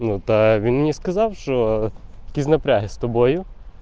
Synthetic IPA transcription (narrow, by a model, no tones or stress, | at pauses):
nut̪ɐʋʲinmnʲiskɐzɑwʃt͡ʃɔjɐkʲisʲnɐpɾʲaɦɪst̪ɔbɔjʊ